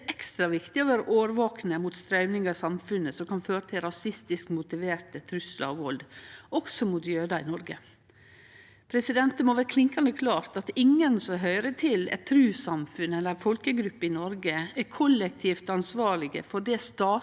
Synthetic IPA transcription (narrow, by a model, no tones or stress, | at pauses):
ʔɛkst̪ɾɑʋɪkt̪ɪɔʋæːɾʔoːʋəɾʋoːknəmuːt̪st̪ɾɑʉnɪŋɑɾsɑmfʉnəsɔmkʰɑnføːɾət̪ʰɪlɾɑsɪst̪ɪskmʊt̪ɪʋeːɾt̪ət̪ʰɾʉslɑ̰ɔ̰ʋʋɔld̪ɔksɔmut̪jøːd̪ɑɪnɔɾɡə | pʰɾɛsɪd̪ɛnt̪əmoːʋæːɾkʰlɪŋkɑnd̪əkʰlɑːɾt̪ɑt̪ɪŋːənsɔɦœʏɾət̪ʰɪlɛ̰t̪ʰːɾʉːsɑmfʉnɛlːəɾfɔlkəɡɾʉpːəɪnɔɾɡəæɾkʰɔlːɛk̚t̪ʰiːft̪ɑnsʋɑːɭɪɡə̰fɔɖɛst̪ɑː